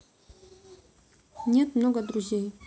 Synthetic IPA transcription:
ɲet̪mnoɡad̪ɾuʑij

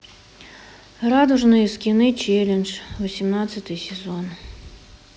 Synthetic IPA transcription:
rad̪ʊʐnɨjəskʲinɨt͡ʃelʲɛnʐvɔsʲimnat̪sət̪ɨjsʲɛzɔn

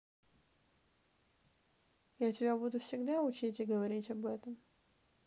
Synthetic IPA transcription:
jatʲɪbʲabud̪ʊfsʲɪɡd̪aʊt͡ɕitʲɪɡəvɐɾʲitʲɐbɛt̪əm

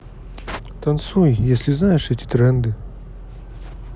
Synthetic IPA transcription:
t̪ɐnt̪sujjesʲlʲɪznajɪʂɛtʲɪ̥t̪ɾɛnd̪ɨ

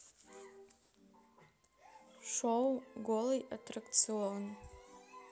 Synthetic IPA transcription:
ʂowɡʷoliʔatʰrakt͡sʰion

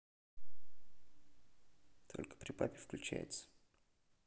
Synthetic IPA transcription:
t̪ʰo̞̰lʲkə̥pɾʲɪpapʲɪfklʲʉt͡ɕæ̰jɪ̰t̪sə̥

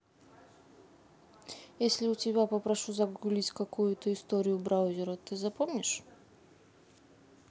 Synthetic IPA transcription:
jesʲlʲɪʊtʲɪbʲapəpɾɐʂuzɐɡulʲitʲkɐkujʊt̪əɪst̪oɾʲɪjʊbɾaʊzʲɪɾət̪ɨzɐpomnʲɪʂ

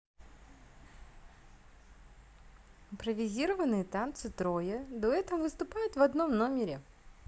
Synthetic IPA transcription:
ɪmpɾəvʲɪzʲiɾəvənɨjət̪ant̪sɨt̪ɾo̞jəd̪o̞ɛt̪əvəvɨst̪ʊpajʊt̪vɐd̪no̞mno̞mʲɪɾʲɪ

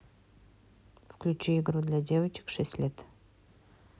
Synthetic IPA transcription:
fklʲʉt͡ɕeɪɡɾud̪lʲadʲe̞vət͡ɕɪ̥kʂɛsʲt̪ʲlʲet̪

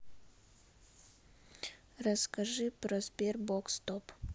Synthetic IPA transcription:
rɐskɐʒɨpɾozbʲerbokst̪op

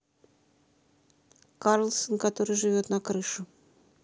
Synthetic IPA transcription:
kaɾlˠsonkɐt̪o̞ɾɨjʐɨvʲo̞t̪nɐkɾɨʂʊ

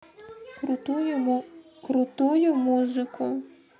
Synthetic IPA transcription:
kɾʊt̪ujʊmuzɪkʊ

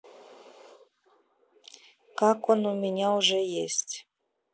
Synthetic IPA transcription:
kɑkonumʲenʲauʒejesʲtʲ

